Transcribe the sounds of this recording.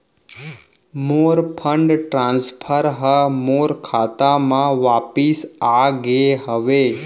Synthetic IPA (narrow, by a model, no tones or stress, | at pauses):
moɾpʰəɳɖʈɾãnspʰəɾɦəmoɾkʰat̪amãʋapisaɡeɦəʋe